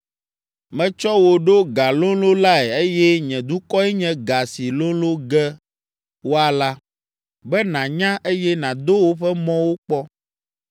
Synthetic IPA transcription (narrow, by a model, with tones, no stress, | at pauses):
mɛ̃˨t͡ʃɔ˦wo˨ɖo˦ɡa˨lõ˦lo˦la˦ɛ˨e˦jɛ˦ɲɛ̃˨d̪u˦kɔ˦ɛ˦ɲɛ̃˦ɡa˨si˨lõ˦lo˦ɡɛ˦ | wo˦a˨la˦ | bɛ˦nã˨ɲã˦ʔe˦jɛ˦nã˨d̪o˦wo˦ɸɛ˦mɔ̃˦wo˦k͡pɔ˦